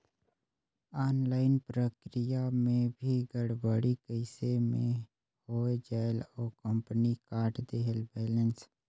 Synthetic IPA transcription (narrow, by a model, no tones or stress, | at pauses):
aːnlaːɪnpɾəkɾijamẽbʱiɡəɽbəɽikəɪsemḛ̃ | hoːed͡ʒaːloːkə̃mpənikaːɾʈd̪eːɦelbɛːləns